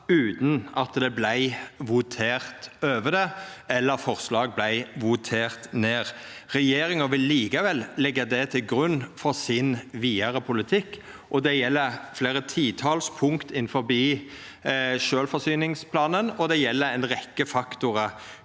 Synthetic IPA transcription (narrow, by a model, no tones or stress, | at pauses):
ʉːt̪nɑt̪d̪ɛblæɪʋʊt̪ʰeːʁt̪øːʋəd̪əɛlːəɾfɔʁslɑːɡ̚blæɪʋʊt̪ʰeːʁt̪neːʁ | ʁɛjeːɾɪŋəʋɪlːiːkɑʋɛlːɛɡːəd̪ɛt̪ʰɪlɡɾʉnːfɔʁsɪnʋiːəɾəpʰʊlɪt̪ʰɪkː | ʔɔd̪ɛjɛlːəfleːɾət̪ʰiːt̪ʰɑːlspʰʊŋkt̪ɪnfɔɾbiː | ʃøːlfɔsyːnɪŋspʰlɑːnənɔd̪ɛjɛlːəɛɪnʁɛkːəfɑkt̪ʊɾə